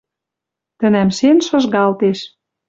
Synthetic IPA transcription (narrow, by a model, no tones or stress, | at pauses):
t̪ə̆næmʃenʃɤ̆ʒɣɑlt̪eʃ